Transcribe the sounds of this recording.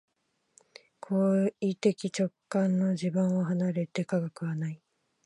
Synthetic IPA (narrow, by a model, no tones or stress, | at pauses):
kʰoːit̪e̞kʲit͡ɕo̞kːãnːo̞d͡ʑibɯ̃ɰ̃oɦanaɾe̞t̪e̞kaɡakɯ̟βanai